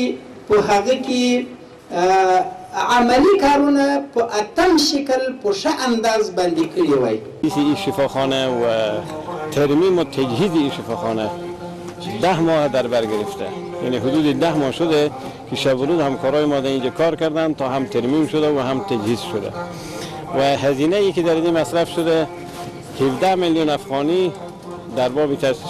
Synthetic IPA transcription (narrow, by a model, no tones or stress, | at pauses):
pəɦaɣeke | amalikɑɾunapəʔat̪amʃɪkəlpoʂaʔand̪ɑːzband̪ikəɽiwaj | isiiʃɪfɑːxɑnawa | t̪ʰaɾmimot̪ʰad͡ʒhiziːʃɪfɑxɑna | d̪ahmɔhd̪aɾbaɾɡɪɾɪft̪a̰ | janiɦʊd̪uːd̪id̪ahmɔʃʊd̪ɛ | kiʃabʊɾuzhamkɔːɾɔːjimɔːd̪æind͡ʒɛkʰɑɾkaɾd̪ant̪ɒɦamt̪ʰaɾmimʃʊd̪awaɦamt̪ʰad͡ʒhizʃʊd̪æ̰ | wæɦazinajikid̪æɾd̪imasɾafʃʊd̪æ | hivd̪amiljunafɣɑni | d̪aɾbɒːbikʰas